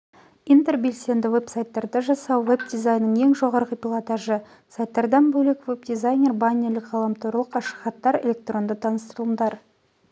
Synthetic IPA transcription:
ijnt̪e̞rbe̞lse̞nd̪ɪwe̞psajt̪ːɑɾd̪ɑʒɑsɑwve̞bd̪ijzajnːəɴe̞ŋʒo̞ʁɑɾʁəpʲilˠot̪aʒə | sajt̪ːɑɾd̪ɑnbɵlekveb̚d̪izajnʲe̞rbanʲeɾlɪkʁɑlˠɑmt̪oɾlˠəqɑʃə̥χɑt̪ːɑɾe̞̰lʲe̞k̚t̪rʔo̞nd̪ət̪ʰɑnəst̪əɾəlˠəmd̪ɑɾ

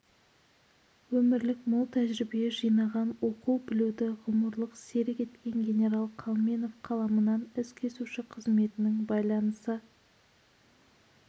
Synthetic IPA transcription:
wɵmɪɾlɪkmʊlˠt̪ʰæʒɾɪbijeʒijnɑʁɑnwo̞quwbɪlud̪ɪʁʊməɾlˠəqse̞ɾɪkʲe̞t̪kʲe̞ŋɡʲe̞ne̞ɾɑlˠqʰɑlˠme̞no̞fqʰɑlˠɑmənɑnɪskʲʰe̞suʃɪqʰəzme̞t̪ɪnɪŋbɑjlˠɑnəsə

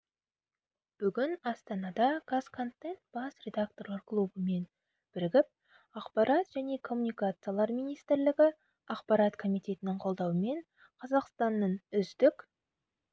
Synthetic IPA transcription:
b̥ʏɡʲɪnɑst̪ɑnɑd̪ɑɡ̥askʰont̪ːent̪b̥ɑsɾʲe̞d̪ak̚t̪o̞rlˠɑɾklˠubəme̞n | b̥ɪɾɪɡʲɪp̚ | ɑqpɑɾɑt̪ʒæne̞kʰo̞mːunijkat̪sɨjalˠɑɾmijnijst̪ɪɾlɪɡʲɪ | ɑqpɑɾɑt̪kʰo̞mijt̪ʲe̞t̪ɪnɪɴqʰo̞lˠd̪ɑwəme̞ɴ | qʰɑzɑqst̪ɑnːəɴʏzd̪ɪkʲ

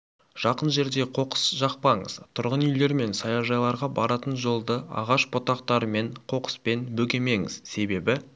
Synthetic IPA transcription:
ʒ̥ɑqənʒe̞ɾd̪e̞qʰo̞qə̥sʒɑq̚pɑɴə̰z̥t̪ʰʊɾʁənʏjle̞ɾme̞nsɑjɑʒɑjlˠɑɾʁɑbɑɾɑt̪ənʒo̞lˠd̪əɑ̰ʁɑʃbot̪ɑq̚t̪ɑɾəme̞ɴqʰo̞qə̥spe̞nbɵkʲe̞me̞ŋɪ̰z̥se̞be̞bɪ

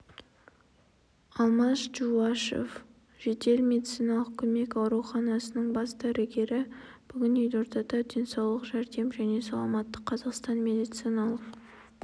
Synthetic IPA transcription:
ɑlˠmɑsʒuɑʃḛf | ʒ̥ed̪e̞lmed̪it̪sijnɑlˠəqkʲʰɵme̞kɑwɾuχɑnɑsənəɴbɑsd̪æɾʔɪɡʲe̞ɾɪ | b̥ʏɡʲɪnejlʲo̞ɾt̪ɑd̪ɑd̪ʲe̞nsɑwlˠəqʒæɾd̪e̞mʒæne̞sɑ̰lˠɑmɑt̪ːəqʰːɑzɑqst̪ɑnme̞d̪ijt̪sijnɑlˠəq

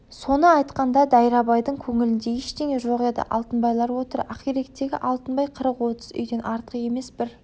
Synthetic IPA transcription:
so̞nəɑjt̪qɑnd̪ɑd̪ɑjɾɑbɑjd̪əɴkʲʰɵŋɪlɪnd̪e̞eʃd̪eŋe̞ʒo̞ʁe̞d̪ə̰ʔɑ̰lˠt̪ənbɑjlˠɑɾwo̞t̪əɾæqiɾe̞k̚t̪ːe̞ɡʲɪʔɑlˠt̪ənbɑjqʰəɾəqwo̞t̪əzʏ̰jd̪e̞nʔɑɾt̪əəje̞me̞sbɪɾ

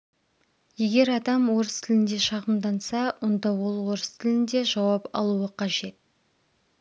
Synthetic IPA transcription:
je̞ɡʲe̞ɾɑd̪ɑmwo̞ɾəst̪ʰɪlɪnd̪e̞ʃɑʁəmd̪ɑnsɑwʊnd̪ɑwo̞lˠwo̞ɾəst̪ʰɪlɪnd̪e̞ʒɑwɑpɑ̰lˠuəqʰɑʒe̞t̪̚

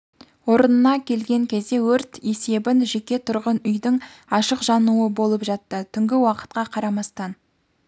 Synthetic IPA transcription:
wo̞ɾənənɑkʲʰe̞lɡʲe̞ŋkʲʰe̞zd̪e̞wɵɾt̪e̞se̞bɪnʒe̞kʲe̞t̪ʰʊɾʁənʏjd̪ɪŋɑʃəqʒɑnuəbo̞lˠəpʒɑt̪ːət̪ʰʏŋɡʲɪwɑqə̥t̪̚qɑqʰɑɾɑmɑst̪ɑn

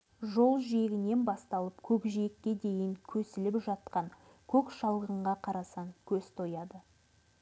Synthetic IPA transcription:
ʒo̞lˠʒie̞ɡʲɪne̞nbɑst̪ɑlˠəpkʲʰɵkʒiekʲːe̞d̪e̞jɪŋkʲʰɵsɪlɪpʒɑt̪̚qɑŋ | kʲʰɵkʃɑlˠʁəɴʁɑqʰɑɾɑsɑŋkʲʰɵzt̪ʰo̞jɑd̪ə

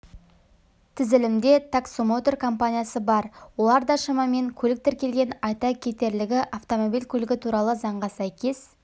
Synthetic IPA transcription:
t̪ʰɪzɪlɪmd̪e̞t̪ʰaksomot̪o̞rkʰo̞mpanʲijasəbɑɾwo̞lˠɑɾd̪ɑʃɑmɑme̞ŋkʲʰɵlɪk̚t̪ɪɾkʲe̞lɡʲe̞nɑjt̪ɑkʲʰe̞t̪e̞ɾlɪɡʲɪʔaft̪o̞mo̞bilkʲʰɵlɪɡʲɪt̪ʰuɾɑlˠəzɑɴʁɑsæjkʲe̞s

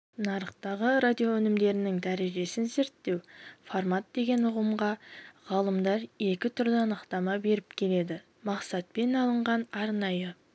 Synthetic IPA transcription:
nɑɾəqt̪ɑʁəɾad̪ʲijowɵnɪmd̪e̞ɾɪnɪŋd̪æɾe̞ʒe̞sɪnze̞ɾt̪ːe̞wfoɾmat̪̚d̪e̞ɡʲe̞nʊʁəmʁɑʁɑlˠəmd̪ɑɾe̞kʲɪt̪ʰʊɾd̪əɑnəqt̪ɑmɑbe̞ɾɪpkʲʰe̞le̞d̪ɪ | mɑqsɑt̪̚pe̞nɑlˠəɴʁɑnɑɾnɑjə

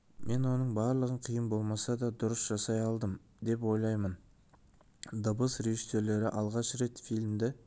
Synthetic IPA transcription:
me̞nwo̞nəɴbɑɾlˠəʁəɴqʰijəmbo̞lˠmɑsɑd̪ɑd̪ʊɾəsʒ̥ɑsɑjɑlˠd̪əm | d̪e̞p̬wo̞jlˠɑjmən | d̪əbəsɾe̞ʒise̞ɾle̞ɾɪʔɑlˠʁɑʃɾe̞t̪filʲmd̪ɪ

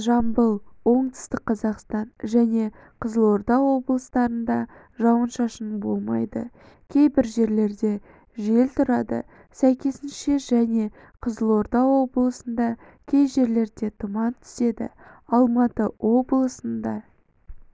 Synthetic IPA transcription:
ʒɑmbəlˠwo̞ɴt̪ə̥st̪əqqʰːɑzɑqst̪ɑnʒæne̞ | qʰəzəlˠo̞ɾd̪ɑwo̞blˠəst̪ɑɾənd̪ɑ | ʒɑwənʃɑʃənbo̞lˠmɑ̰jd̪ə̰ | kʲʰe̞jbɪɾʒe̞ɾle̞ɾd̪e̞ | ʒe̞lt̪ʰʊɾɑd̪ə̰ | sæjkʲe̞sɪnʃe̞ʒæne̞ | qʰəzəlˠo̞ɾd̪ɑwo̞blˠəsənd̪ɑ | kʲʰe̞jʒe̞ɾle̞ɾd̪e̞t̪ʰʊmɑnt̪ʰʏ̥se̞d̪ɪ̰ɑlˠmɑt̪əwo̞blˠəsənd̪ɑ

